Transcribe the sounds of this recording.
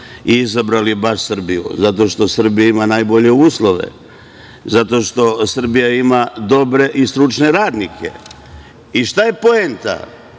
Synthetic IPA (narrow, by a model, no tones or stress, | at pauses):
iizabɾalibaʃsr̩bijṵzat̪o̞ʃt̪o̞sr̩bijaimanaːjbo̞ʎe̞uːslˠo̞ʋe̞̰ | zat̪o̞ʃt̪o̞sr̩bijaimad̪o̞bɾe̞ʔist̪ɾut͡ʃne̞ɾaːd̪nikʰe̞̰ | iʃt̪aje̞po̞ent̪a̰